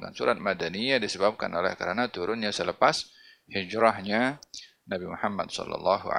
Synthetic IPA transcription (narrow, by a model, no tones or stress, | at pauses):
ŋɡa̰nsuɾa̰t̪̚madanijadisəbap̚ka̰nolɛ̰hkaɾanat̪uɾʔʊnɲasələpas | hid͡ʒɾahɲa | nabimuhamːa̰dsɔ̰lːɑ̰lːɑɦṵ